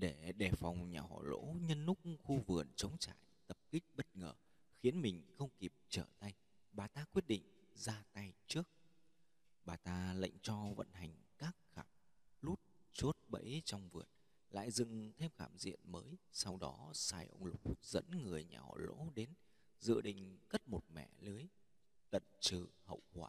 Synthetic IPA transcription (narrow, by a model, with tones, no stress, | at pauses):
ɗe˧˩ɗe˧˨˩fɔ˨˩wŋ͡mɲaː˨˩hɔ̰˧˩lo̰˧˥ɲə˧nːʊ˦˥k͡p̚xu˧vɨ˨˩ənt͡ɕə˨˦wŋ͡mt͡ɕa̰ː˧˨jt̪ə˨˩p̚kï˦˥k̟̚ɓə˦˥t̚ŋəː˨˩ | xi˨˦ənmï˨˩ŋ̟xə˧wŋ͡mki˨˩p̚t͡ɕəː˧˩t̪a˧j | ɓaː˨˩t̪aː˧kwi˦˥ət̚ɗḭ̈˧˨ŋ̟zaː˧t̪a˧jt͡ɕɨ˦˥ək̚ | ɓaː˨˩t̪aː˧la̰˧˨jŋ̟t͡ɕɔ˧və̰˧˨nɦa˨˩jŋ̟kaː˦˥k̚xaː˧˩m̚lu˦˥t̚t͡ɕo˦˥t̚ɓə̰˧˥jt͡ɕɔ˧wŋ͡mvɨ˨˩ət̚ | la̰ː˧˨jzɨ̰˧˨ŋt̪ʰe˧mxaː˧˩mzḭ˧˨ənməː˨˦jsa˧wɗɔ˨˦saː˧jʔə̰˧wŋ͡mlʊ˨˩k͡p̚z̥ə̰˧˥nŋɨ˨˩əjɲaː˨˩˨lo̰˧˥ɗe˨˦n | zɨ̰˧˨ɗḭ̈˧˨ŋ̟kə˦˥t̚mo˨˩t̚mɛ̰˧˩lɨ˨˦əj | t̪ə̰˧˨nt͡ɕɨ˧˩hə̰˧˨wkwaː˧˩